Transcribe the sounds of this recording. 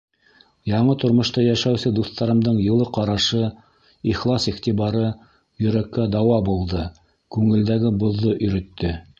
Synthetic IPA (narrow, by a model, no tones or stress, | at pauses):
jɑɴɤt̪ŏɾmŏʃt̪ɑjæʃæwsɘd̪uθt̪ɑɾɤ̆md̪ɤɴjɤ̆lˠɤqɑɾɑʃɤ | iχlˠɑsiχt̪iβɑɾɤ | jɵ̆ɾækːæd̪ɑwɑbulˠd̪ɤ | kʉŋɘ̆ld̪æɡɘbŏðːoʔɵ̆jɾɵ̆t̪ːɘ